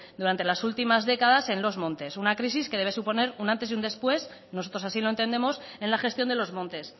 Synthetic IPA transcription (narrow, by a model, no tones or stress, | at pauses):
d̪uɾant̪e̞lasult̪imazðe̞kaðase̞nlo̞zmõ̞nt̪e̞sunakɾis̬iske̞ðeβe̞supo̞ne̞ɾunãnt̪e̞sjiund̪e̞spwe̞s | no̞so̞t̪ɾo̞sasiloe̞nt̪e̞nd̪e̞mo̞se̞nlaxe̞st̪jo̞nd̪e̞lo̞zmõ̞nt̪e̞s